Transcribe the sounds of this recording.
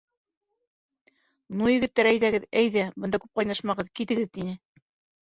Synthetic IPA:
nujɘ̆ɡɘ̆t̪ːæɾæjðæɡɘðæjðæbɤ̆nd̪ɑkʉp̚qɑjnɑʃmɑʁɤðkit̪ɘ̆ɡɘðt̪inɘ

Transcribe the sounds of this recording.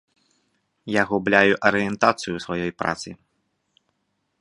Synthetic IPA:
jaɣublʲajuʔɐɾɨjɛnt̪at̪sɨjusvajɔjpɾa̰t̪sɨ

